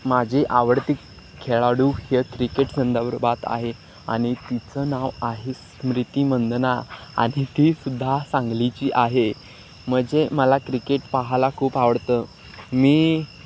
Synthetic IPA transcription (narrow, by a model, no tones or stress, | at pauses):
mad͡ʑʱiʔaʋəɽt̪iːk | kʰːeɭaɽuːhekɾikeʈd͡zənd̪aʋəɾbat̪a̰ɦe | a̰ɽ̃it̪it͡sənaʋaɦis | mɾit̪iːmənd̪naa̰ɽ̃it̪isud̪ʱːasãŋɡlit͡ɕiːʔaɦe | m̤əd͡ʑeməlakɾikeʈpaɦalakʰuːpaʋəɽt̪əː | miː